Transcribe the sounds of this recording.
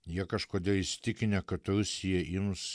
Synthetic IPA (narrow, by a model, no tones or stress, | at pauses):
jiɛkɐʃkoːd̪ʲeɛlˠɪsʲt̪ʲɪkʲɪnʲɛkɐt̪ɾʊsʲɪjɛʔɪms